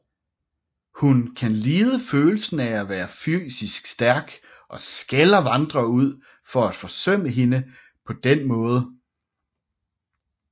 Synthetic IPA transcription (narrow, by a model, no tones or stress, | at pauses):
hunkʰænliːð̞ˠəføːl̩sn̩ææʋæːɐfy̰ːsisɡ̥sd̥æɐɡ̥ | ʔɒ̽sɡ̥elɐʋɑ̈nd̥ʁɐuð̞̰ˠ | fɒ̽æd̥fɒ̽sœm̰əɦe̝nə | pʰɒ̽d̥enmɔ̽ːð̞ˠə